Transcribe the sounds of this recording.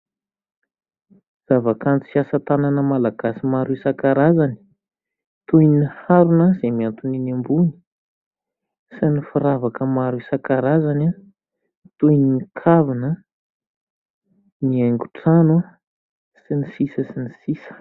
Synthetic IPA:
z̥avakant͡si̥siasət̪ananəmalaɡasimaɾisakaɾazani̥ | t̪ujnihaɾunazemiant̪uninambuni̥ | sinifuɾavakəmaɾisakaɾazana | t̪ujninikʰavinə | niaŋɡuʈ͡ʂanu | sinisisəsinisisə̥

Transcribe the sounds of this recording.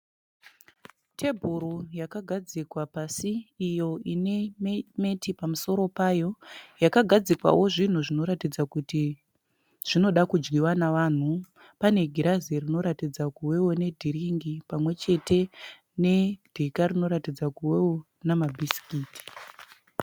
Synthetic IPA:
tʰe̞bʱuɾojakaɡʱad͡zikwapasiːjo̞ineme̞tipamuso̞ɾo̞paːjo̞jakaɡʱad͡zikwa̰wo̞ʐin̤uʐino̞ɾatid͡zakuti | ʐ̥ino̞ɗakud͡ʒɡiwanaʋaːn̤u | pane̞ɡʱiɾazerino̞ɾatid͡zakuwe̞wone̞dʱiɾiŋɡipamwe̞t͡ʃe̞te̞ | ne̞d̥ʱekarino̞ɾatid͡zakuwewo | namabʱisi̥kiːti̥

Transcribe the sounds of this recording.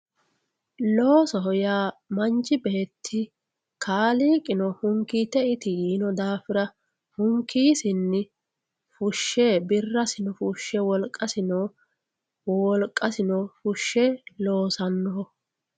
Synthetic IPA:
loːsɔɦɔjaːmɐnt͡ʃːɪbeːt̪ʰːɪ | kʰaːliːkʼɪnɔhʊŋkːiːt̪ɛɪt̪ɪjiːnɔd̪aːfɪɾɐ | hʊŋkʰːiːsɪnːɪ | fʊʃːebɪrːɐsɪnɔfʊʃːɛwɔlkʼːɐsɪnɔ | wɔlkʼːɐsɪnɔfʊʃːɛlo̞ːsɐnːɔɦɔ

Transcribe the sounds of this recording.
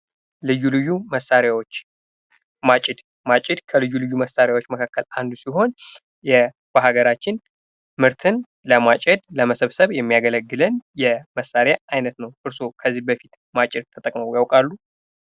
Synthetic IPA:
lɨjːulɨjːuməsːaɾjawot͡ʃː | mat͡ʃʼɪd̪ | mat͡ʃʼɪd̪kʰəlɨjːulɨjːuməsaɾjawot͡ʃːməkʰakːəland̪usiɦo̞n | jɛ | b̥aɦaɡəɾat͡ʃːɪn | mɨɾt̪ʰɨn | ləmat͡ʃʼɛd̪ləməsəβsəβjɛmːijaɡələɡːɨlənjɛməsaɾjaajnət̪nəwʔɨɾsokʰəzːihbəfit̪ | mat͡ʃʼɪd̪̚t̪ʰət̪ʼəkʼməwjawkʼalːu

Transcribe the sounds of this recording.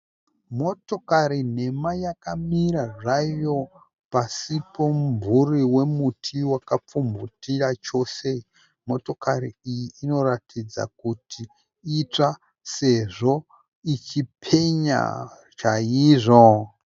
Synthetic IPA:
mo̞to̞kaɾine̞majakamiɾaʐajo̞ | pasipo̞mburiwe̞mutʰiwakap͡fumbutirat͡ʃo̞ːse̞ | mo̞to̞kariijiːno̞ratʰid͡za̰kutʰi | it͡ʂa | se̞ʐo̞ | it͡ʃipʰe̞ɲa̰ | t͡ʃaiːʐo̞

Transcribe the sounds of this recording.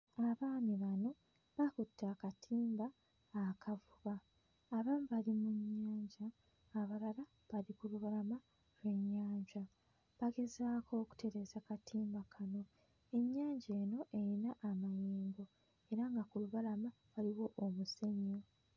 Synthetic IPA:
aβaːniβano̞ | βakutːakatʰiːmbaː | kʰavuβaː | βaːmiβalimuɲːaːɲɟaː | βalala | βaɾikuluβalama | lwe̞ɲːaːɲɟa | βaɡe̞zaːkʰo̞ːku̥te̞ɾe̞ːzakatʰiːmbakʰano̞ | e̞ɲːaːɲɟe̞ːno̞ʔeɾinaʔːmajiːŋɡo̞ | e̞ɾaŋɡakuluβalama | βaliwo̞ʔomuse̞ɲːo̞

